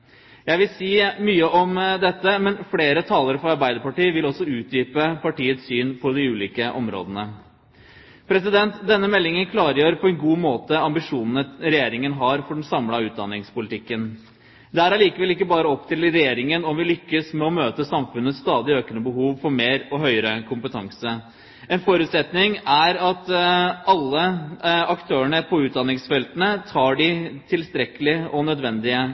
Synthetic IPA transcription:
jæɪʋɪlsiːmyːəʔɔmd̪ɛt̪ːəmɛnfleːɾət̪ʰɑːləɾfɔɾɑɾbæɪd̪əɾpɑʈiːʋɪlɔsːɔʉːt̪̚d̪yːpəpʰɑʈiːət̪ssyːnpʰɔd̪ɪʉːliːkəʔɔmɾo̰ːd̪ənə | pʰɾɛsɪd̪ɛnt̪d̪ɛnːəmɛlːɪŋənkʰlɑːɾəjøːɾpʰɔɛnɡuːmoːt̪əɑmbɪʂuːnənəɾɛjeːɾɪŋənɦɑɾfɔɖɛnsɑmlɑʉːt̪̚d̪ɑnːɪŋspʊlɪt̪ʰɪkːən | d̪ɛæɾɑɭiːkəʋɛlɪk̬ːəbɑːɾəɔpːt̪ʰɪlɾɛjeːɾɪŋənɔmʋɪlʏkːəsmɛɔmøːt̪əsɑmfʉnːəsːt̪ɑːd̪ɪøːknəbəɦuːʋfɔɾmeːɾɔɦœʏəɾəkʰʊmpət̪ʰɑŋsə | ɛnfɔɾʉːt̪sɛt̪nɪŋæɾɑt̪ɑlːəɑkt̪ʰøːəɳəpʰɔʉːt̪̚d̪ɑnːɪŋsfɛlt̪ənət̪ʰɑːɖɪt̪ʰɪlst̪ɾɛkːəlɪʔɔnœd̪ʋɛnd̪ɪə

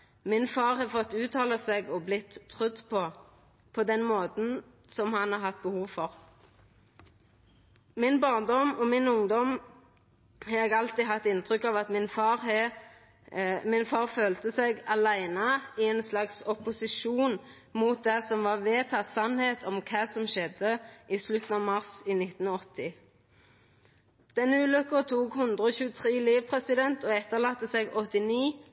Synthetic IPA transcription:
mɪnfɑːʁhɑːfɔt̪ːʉːt̪ʰɑːləsɛɡɔblɪt̪ʰːʁʏd̪ːpʰɔ | pʰɔd̪ɛnmoːt̪n̩ | sɔmhɑnhɑʁɦɑt̪̚ːbəhuːʋfɔʁ | mɪnbɑːʁnd̪ɔmɔmɪnʊŋd̪ɔm | hɑːɛɡɑlt̪iːɦɑt̪ːɪnt̪ʁʏkːɑʋɑt̪mɪnfɑːʁ | mɪnfɑːʁføːlt̪əsɛɡɑlæɪnəɪɛnslɑksɔpʊsɪʃuːn | muːt̪̚d̪æsɔmʋɑʁʋeːt̪ʰɑt̪sɑnheːt̪ʰɔmkʰɑːsɔmʃɛd̪əʔislʉt̪n̩ɑʋmɑʁsiːnɪt̪n̩ɔt̪ːɪ | d̪̥ɛnʉːlʉkːəʁt̪ʰuːkhʉnd̪ʁəɔːçʉːət̪ʰʁiːliːʋpʰʁɛsɪd̪ɛnt̪ɔɛt̪ːəʁlɑːt̪ːəsɛɡɔt̪ːɪniː

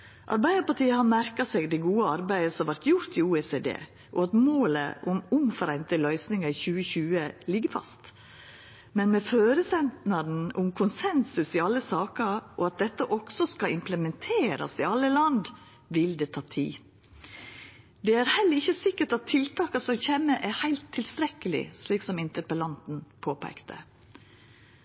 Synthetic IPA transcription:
ʔɑ̰ɾbæɪd̪əpɑʈiːəhɑɾmæɾkɑsɛɡd̪ɛɪɡuːəɑɾbæɪəsɔmʋæɾt̪jʊɾt̪ɪuːɛseːd̪ḛː | ʔɔɑt̪moːlə̰ʔʊmʊmfɔɾæɪnt̪əlœʏsnɪŋɑɪçʉːəçʉːəlɪɡəɾfɑ̰st̪ | mɛnmɛføːɾəsɛnt̪nɑn̩ʔʊmkʰʊnsɛnsʉsɪɑlːəsɑːkəɾʔɔɑt̪̚d̪ɛt̪ːəʔɔksɔskɑɪmpləmɛnt̪ʰeːɾɑ̰sɪɑlːəlɑnd̪ | ʋɪld̪ɛt̪ʰɑːt̪ʰḭː | d̪ɛæɾhɛlːəɾɪçːəsɪkːəʈɑt̪ʰːɪlt̪ʰɑːkɑsɔmçeːmːəʔæɾhæɪlt̪ʰːɪlst̪ɾɛkəlɪ̰sliːksɔmɪnt̪əpəlɑnt̪n̩pʰoːpʰæ̰ɪkt̪ʰə̰

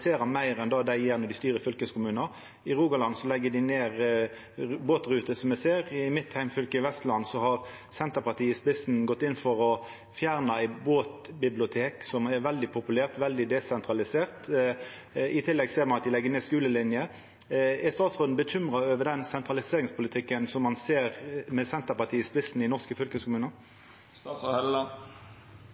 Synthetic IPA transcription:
seːɾɑmæɪɾɛnd̪ɑːd̪æɪjeːɾnɔd̪ɪst̪yːɾəfʏlkəskʰʊmʉːnəɾ | ɪɾuːɡɑlɑnsɔlɛɡːəd̪ɪneːʁ | boːt̪ʁʉːt̪əsɔmɛseːɾɪɪmɪt̪ːhæɪmfʏlkəɪʋɛst̪lɑnsɔhɑʁ | sɛnt̪əʁpɑʁt̪ʰiːəspɪsn̩ɡɔt̪ːɪnːfɔʁɔ | fjæːʁnɑæɪboːt̪bɪblɪʊt̪ʰeːksɔmɛɾʋɛld̪ɪpʰʊpʉlæːʁt̪ʋɛld̪ɪd̪ɛsɛnt̪ʁɑlɪseːʁt̪ | ɪt̪ʰɪlːɛɡseːɾmɑnɑt̪̚d̪ɪlɛɡːəneːskʉːləlɪnjə | ɛst̪ɑːt̪sʁoːd̪n̩bəçʏmʁɑøːʋəd̪ɛnsɛnt̪ʁɑlɪseːʁɪŋspʰʊlɪt̪ʰɪkːənsɔmːɑnseːʁmɛsɛnt̪əpɑʁt̪ʰiːəspɪsn̩ɪnɔʁskəfʏlkəskʰʊmʉːnə | ɛl

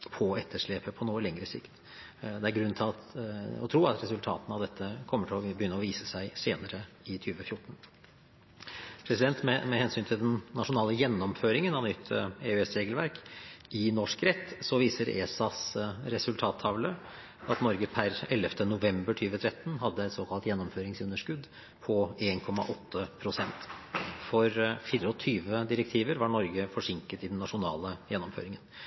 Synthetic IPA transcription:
pʰɔɛt̪ʰːəʂɭeːpəpʰɔnuːəlɛŋɾəsɪ̰kt̪ | d̪ɛæɾɡɾʉnːt̪ʰɪlɑt̪ɔ̰t̪ʰɾuːɑt̪ɾɛsʉlt̪ʰɑ̰ːt̪ənəɑʋd̪ɛt̪ʰːəkʰɔmːəʈʰɪlɔbəjʏnːəɔʋiːsəsæɪseːnəɾəɪt̪ʰyːʋəfjʊʈːɳ̩ | pʰɾɛsɪd̪ɛnt̪mɛmɛhɛnsyːnt̪ʰɪld̪ɛnːɑʂʊnɑːləjɛnːɔmføːɾɪŋənɑʋnʏt̪ʰːeʉɛsɾeːɡəlʋæɾkɪnɔʂkɾɛt̪ːsɔʋiːsəɾḛːsɑsɾɛsʉlt̪ʰɑːt̪ʰːɑʋlə | ɑt̪nɔɾɡəpʰæɾɛlɛft̪ʰənʊʋɛmbəʈʰyːʋət̪ʰɾɛt̪ːnɦɑd̪ːəɛt̪soːkʰɑlt̪jɛnːɔmføːɾɪŋsʉnːəʂkʉd̪ | pʰɔeːnkʰɔmɑ̰ʔɔt̪ʰːəpʰɾʊsɛnt̪fɔɾfiːɾəɔt̪ʰyːʋəd̪ɪɾɛk̚t̪ʰiːʋəɾʋɑɳɔɾɡəfɔʂɪŋkət̪ɪd̪ɛnːɑʂʊnɑ̰ːləjɛnːɔmfø̰ːɾɪŋən

